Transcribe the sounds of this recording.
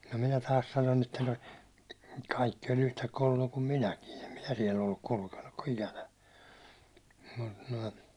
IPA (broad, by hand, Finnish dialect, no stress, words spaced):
no minæ tɑːs sɑnon etːɑ no kɑikːi olʲ untɑ kolʲːojɑ kum minækin em minæ siɛl olːuk kulkenːuk ko ikænæ mə̆t nə̆i